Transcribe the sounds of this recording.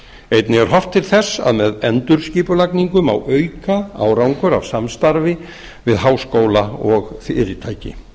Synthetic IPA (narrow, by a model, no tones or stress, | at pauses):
ejt̪nɪɣɛɾ̥ɦɔft̪ʰːɪlθɛsːa̰ðmɛðɛnt̪ʏɾ̥sciːpʏlakniŋkʏma̰wʔœɥkaa̰ːwɾawŋkʏɾa̰vsamst̪aɾvɪ | vɪðɦaːwskoːwlaɔɣθɪɾɪt̪ʰaːjcɪ̰